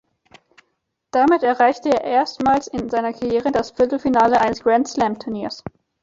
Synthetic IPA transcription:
d̥amɪtɛɐʁaɪçtəeːɐʔeːɐstmaːlsɪnzaɪnɐkʰaʁjeːʁədasfɪɐtl̩finaːləʔaɪnəsɡ̥ʁɛntslɛmtʰʊɐniːɐs

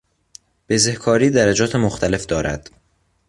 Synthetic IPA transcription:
b̥ezehkʰɒːɾiːd̪æɾæd͡ʒɒːt̪ʰemoxt̪ʰæle̞fd̪ɒːɾæ̰d̪̥

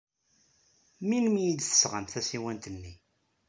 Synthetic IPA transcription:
minmijid̪θə̥sʁənθæsiwænt̪ənːi

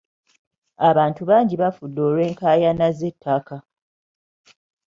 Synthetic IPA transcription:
aβaːntuβaːɲɟiβafudːoːlwe̞ːŋkaːjanazetʰːaka

